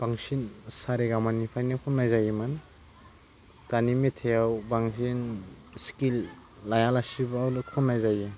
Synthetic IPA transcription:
b̥aŋsinsaɾiɡamanipʰajnekʰɔnːajzajiman | tanimetʰejawbaŋsinskilː | ajalasibːwlukʰɔnːajzaji

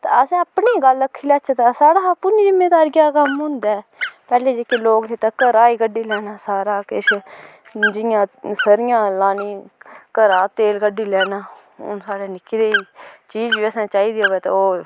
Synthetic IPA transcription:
t̪aəsẽːəpneːɡələkʰːiːlaːt͡ʃːt̪aːsaːɽaːpʊniːd͡ʒɪmːeːd̪aːɾɡjaːkəmɦʊ̃nd̪aːpɛːleːd͡ʒeːkeːloːket̪aːkəɾaːiːkəɖːiːlɛːnaːsaːɾaːkɪʃ | d͡ʒɪjãːsəɾɪjãːlaːniːkəɾaːt̪eːlkəɖiːlɛːnaː | ʊ̰nsaːɽeːnɪkʰːid̪eːiːt͡ʃiːd͡ʒʋiːəsãːt͡ʃaːiːd̪iːɦoːʋeːt̪ḛːoː

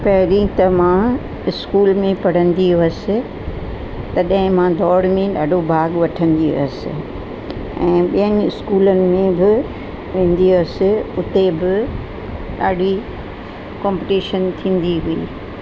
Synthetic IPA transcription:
pɐɦɪɾit̪ɐmã | ɪskuːlmẽpɐɽ̤ə̃nd̪iɐsɪ̆ | t̪ɐɗɦɪ̃mãd̪ʱɔːɽmẽɗaːɖʱobʱaːɡʋɐʈʰə̃nd̪iɐ̰sɪ̰̆ | ɛ̃ːɓijənɪ̆ɪskuːlənɪ̆mẽbɪ | ʋẽːn̆d̪iʊsɪʊt̪ebɪ | ɗaːɖʱi | kɔ̃ːmpiʈiːʃənt̪ʰĩːn̆d̪iɦuḭː

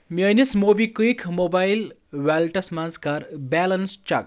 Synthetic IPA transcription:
miənismoːbikikʰmobajlʋaːlʈɐsmanskaːɾbɛːlɐnst͡ʃa̰k̚

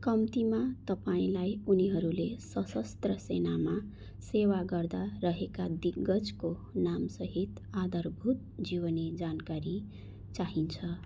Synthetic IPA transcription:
kʌmt̪imat̪ʌpaĩlajuniɦʌɾulesʌsʌst̪rʌsenama | sewaɡʌrd̪arʌɦekad̪iɡʌd͡zkonamsʌɦit̪ | ad̪ʱʌrbʱut̪̚d͡ziwʌned͡zankaɾi | t͡saɦint͡sʰʌ

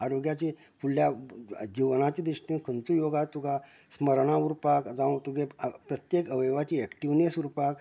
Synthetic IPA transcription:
aɾoɡjat͡ɕi | fuljad͡ʑiʋnat͡ɕid̪ɾiʂʈĩkʰənt͡sujoɡat̪uɡa | sməɾɳãuɾpakd͡zãt̪uɡepɾət̪jekəʋəjʋat͡ɕiɛkʈiʋnesuɾpak

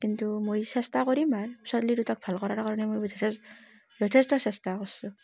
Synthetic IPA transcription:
kintumojsɛstakɔɹimaɹsɔtliɾutak̚b̥ʱalkɔɾaɹkaɹɔnɛmojd͡ʒɔtʰs | zʱɔtʰestɔsɛstakɔsu

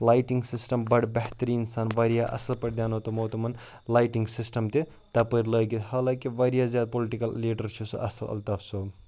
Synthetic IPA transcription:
laːjʈiŋɡsisʈɐmbɐɽbɛɦt̪əɾiːnsaːnʋɐɾijaʔɐ̰sɐlpɐɾd̪jaːnot̪ɐmoːt̪ɐmɐn | laːjʈiŋɡsisʈɐmt̪i | t̪ɐpəɾləːɡihaːlãːkiʋɐɾijaːzjaːd̪̚poliʈikɐlːiːɖɐɾt͡ʃʰusɐ̰ʔɐ̰sɐlɐ̰lt̪ɐfso

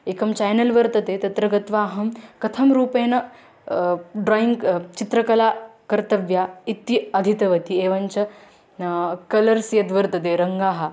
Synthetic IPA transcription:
eːkɐmt͡ɕaːjnɐlʋɐɾt̪ɐt̪eːt̪ɐt̪ɾɐɡɐt̪ʋaːɦɐmkɐt̪ʰɐmɾuːpeːnɐ | ɖɾaːiŋɡt͡ʃit̪ɾɐkɐlaːkɐɾt̪ɐʋjaːit̪ːiɐd̪ʱit̪ɐʋɐt̪ieːʋɐnt͡ʃɐ | kɐlɐɾsijɐd̪ʋɐɾt̪ɐt̪̬eːɾɐŋɡaːɦɐ

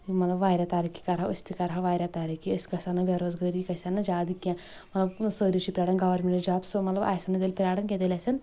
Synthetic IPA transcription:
umɐt̪lɐbʋaːɾʲat̪aːɾiki̥kɐɾɦausʲt̪ʰikɐɾɦaʋaːɾʲjat̪aːɾikiəsʲkɐsanɐʋʲeɾoːzɡɐɾikɐsanɐd͡ʒaːd̪ikʲã | mɐt̪lɐbsəːɾiʃipʲɾʲaːɽɐnɡɐʋɐɾmʲeɳʈɾd͡ʒaːbsomɐt̪lɐba̰ːjsɐnɐd̪elʲpʲɾaːɽɐnkʲet̪elʲasɐn

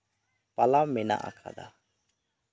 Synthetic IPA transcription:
palamɪna̰ʔa̰kʰa̰d̪a̰

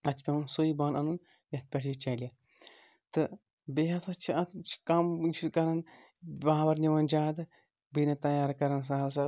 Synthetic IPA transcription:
ɐt̪pʲɐʋɐnsoːibɐːnɐnun | jɐt̪̚pʲɐʈʰit͡ʃɐlʲɐ | t̪ɨ | beɦɐt̪ʰɐt͡ʃʰiɐt̪ʰt͡ʃʰi̥kamt͡ʃʰukɐɾɐn | baːʋɐɾniʋɐnd͡ʒaːd̪ | binɐt̪ɐjaːɾkɐɾɐns̬aɦɐs̬ɐ

